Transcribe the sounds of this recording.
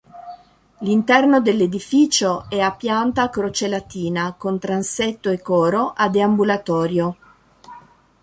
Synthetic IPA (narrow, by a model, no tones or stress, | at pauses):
lint̪ɛrnod̪elːed̪ifiːt͡ʃoɛapːjant̪akɾot͡ʃelat̪iːnakont̪ɾansɛt̪ːoekːɔːɾoʔad̪eambulat̪ɔːɾjo